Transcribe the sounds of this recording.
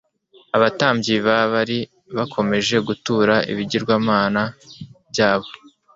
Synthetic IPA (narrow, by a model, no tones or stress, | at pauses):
aβataːmbɟiβaβaɾi | βakʰo̞me̞ʒe̞ɡutuɾaḭβiɟiɾɡwaːmaːnabjaːβo̞